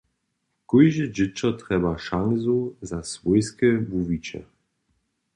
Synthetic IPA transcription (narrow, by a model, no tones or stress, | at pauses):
kujʒəd͡ʑɪt͡ʃɔtʁɛbaʃaŋzuzasvɔjskəbuvit͡ʃɛ̰